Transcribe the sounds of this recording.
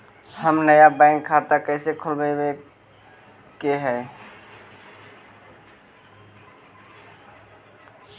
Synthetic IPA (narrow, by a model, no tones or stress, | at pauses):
həmnəjabãɪ̃ŋkʰːat̪akəɪsekʰulbebe | keɦɛ